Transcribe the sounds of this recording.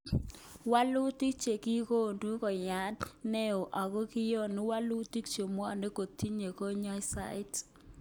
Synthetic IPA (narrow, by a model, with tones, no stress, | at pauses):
wa˦lu˦ti˦k̚t͡ʃe˨ki˦ko˦˨ndu˦kɔ˨ja˨˦dnɛ˦o˨ʔa˨ɣo˦kɪ˦jɔ˦˨nu˦wa˦lu˦ti˦kt͡ʃo˨mwa˨ne˦ko˨ti˦ɲe˨ko˦ɲɔ˦jsa̰˦ɪ˦t